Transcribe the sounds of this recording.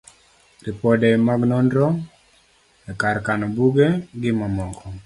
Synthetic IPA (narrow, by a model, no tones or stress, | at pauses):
ripɔdɛmaɡnɔndɾɔ | ɛkaɾkanɔbuɡeɡɪmamɔkʰɔ